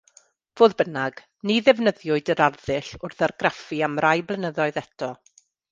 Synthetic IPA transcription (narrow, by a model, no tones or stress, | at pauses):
voːðbənaɡ̥ | niðɛvnəðjʊɨdəɾarðɪɬʊrθarɡrafiamrajblˠənəðɔɨðɛtʰɔ